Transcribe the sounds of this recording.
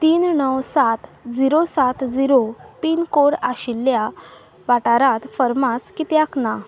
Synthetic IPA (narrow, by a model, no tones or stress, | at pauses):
t̪iːnnəwsat̪d͡ziɾosat̪d͡ziɾopiːnkoɾaɕilːja | ʋaʈaɾãt̪fəɾmaskit̪jakna